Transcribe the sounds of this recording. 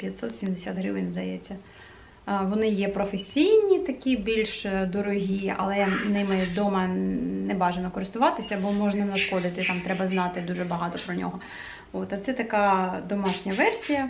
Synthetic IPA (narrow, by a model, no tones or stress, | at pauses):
pʲjɐt̪sɔt̪sʲimd̪esʲat̪ɦɾɪʋɪnzd̪ɐjɛt͡sʲːɐ | ʋɔnɪjɛpɾɔfesʲijnʲit̪ɐkʲibʲilʲʃd̪ɔɾɔɦʲiɐ̰lˠɛnɪmɪd̪ɔmɐnɛbɑʒenɔkɔɾɪst̪ʊʋɑt̪ɪsʲɐːbɔmɔʒnɐnɐʃxɔd̪ɪt̪ɪt̪ɑmt̪ɾɛbɐznɑt̪ɪd̪uʒɛbɐɦɑt̪ɔpɾɔnʲɔ̰ɦɔ | ot̪ɐt̪sɛt̪ɐkɑd̪ɔmɑʃnʲɐʋɛrsʲijɐ